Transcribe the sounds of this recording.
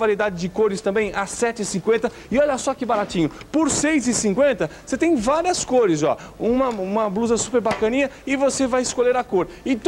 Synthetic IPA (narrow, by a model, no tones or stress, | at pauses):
vaɾid̪ad͡ʒɪd͡ʒɪkoɾɪst̪ɐ̃mbẽj̃asɛt͡ʃɪɪsĩkwẽnt̪ɐ | ɪɔʎɐsɔkɪbaɾat͡ʃĩɲʊ | poɾsejzɪsĩŋkwẽnt̪ɐ | set̪ẽj̃vaɾiɐskoɾɪzɔ̰ũmɐũmɐbluzɐsupeɾbakɐ̃nĩɲɐɪvosevajɪskoʎeɾɐkoɾɪt̪